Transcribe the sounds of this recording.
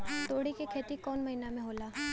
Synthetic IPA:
t̪oːɽikekʰeːt̪ikɔːnmɐɦinamẽɦoːlaː

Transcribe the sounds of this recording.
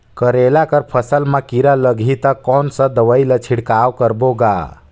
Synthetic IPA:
kəɾelakəɾpʰəsəlmə̃kiɾaləɡʱit̪əkɔnsə̃d̪əʋəjlət͡ʃʰiɽkawkəɾboɡa̰

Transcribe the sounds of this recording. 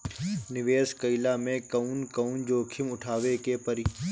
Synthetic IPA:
nɪʋeːskɐilamẽkɐunkɐund͡ʒoːkʰɪmʊʈʰaːʋekepɐɾi

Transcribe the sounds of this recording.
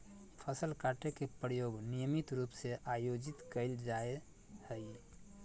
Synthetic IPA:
pʰəsəlkaʈekepɾəjoːɡnijəmit̪ɾuːpseʔajod͡ʒit̪kəɪld͡ʒae | həɪ

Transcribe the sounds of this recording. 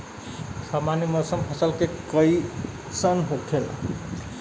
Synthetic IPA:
sʌmanimʌsʌmpʰʌsʌlkekʌj | sʌnɦokʰel

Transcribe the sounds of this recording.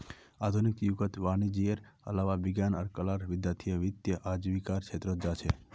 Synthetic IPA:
ad̪ʱunikjuɡət̪ʋañid͡ʒiəɾə̰laʋaʋɪɡjanəɾkəlaɾʋɪd̪jat̪ʰijeʋɪt̪jəʔad͡ʒʋikaɾkʰet̪ɾod͡ʒat͡ʃʰe

